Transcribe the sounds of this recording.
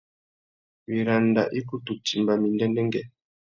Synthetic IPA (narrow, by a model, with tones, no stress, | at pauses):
mi˨ɾa˨nda̰˨ʔi˦ku˦tu˨ti˨mba˨mi˨ndɛ˦ndɛ˦ŋɡɛ˨